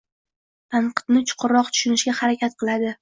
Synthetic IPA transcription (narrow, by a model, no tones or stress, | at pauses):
t̪ʰaɴqʰɨ̥t̪nɪt͡ʃʰʊ̥qʰʊɾːɒq̚t̪ʰʊ̥ʃʊnɪʃɡʲahaɾakʲat̪̚qʰɨlˠad̪ɪ